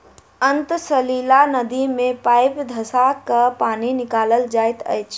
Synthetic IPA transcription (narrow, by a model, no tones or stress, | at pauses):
ənt̪səlilanəd̪imepajpd̪ʱəsakəpaninikaləld͡ʒajt̪ə̰jt͡ʃʰ